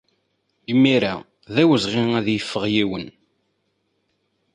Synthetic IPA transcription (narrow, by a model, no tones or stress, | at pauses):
imːiɾa | ðæwəzʁɪæðjəfːəʁjiwən